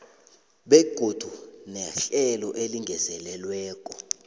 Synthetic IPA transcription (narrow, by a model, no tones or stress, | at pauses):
ɓeɡ̥ʱod̥ʱunɛɬɛlɔʔeliŋʱɛzɛlɛlwɛːkʼɔ